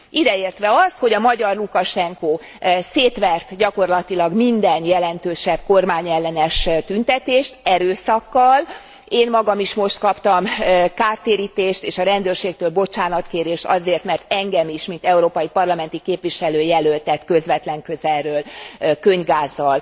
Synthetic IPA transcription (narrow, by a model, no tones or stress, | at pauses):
ʔid̪ɛeːrt̪ʋɛɒst̪ho̞ɟɒmɒɟɒrlukɒʃɛŋkoː | seːt̪ʋɛrt̪ɟɒko̞rlɒt̪ilɒɡmind̪ɛnjɛlɛnt̪øːʃɛb̚ko̞rmaːɲɛlːɛnɛʃt̪ynt̪ɛt̪eːʃt̪ɛɾøːsɒkːɒl | eːnmɒɡɒmiʃmo̞ʃt̪kɒpt̪ɒmkaːrt̪eːɾiːt̪eːʃt̪eːʃɒɾɛnd̪øːrʃeːk̚t̪øːlbo̞t͡ʃaːnɒt̪keːɾeːʃt̪ɒ̰zeːrt̪mɛrt̪ɛŋɡɛmiʃmint̪ɛuɾoːpɒjipɒrlɒmɛnt̪ikeːpʋiʃɛløːjɛlølt̪ɛt̪kø̞zʋɛt̪lɛŋkøzɛrrøːlkø̞ɲvɡaːzːɒl